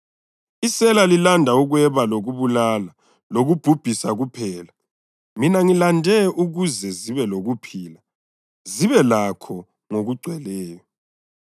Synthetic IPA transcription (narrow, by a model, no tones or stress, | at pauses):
isɛlalilandʱauɣwɛβaloɣuβulala | loɣub̥ʱub̥ʱisaɣupʰɛːla | minaŋilandʱɛʔuɣuzɛziβɛloɣupʰiːla | ziβɛlakʰɔ | ŋoɣuɡ͡ǀʱwɛlɛːjɔ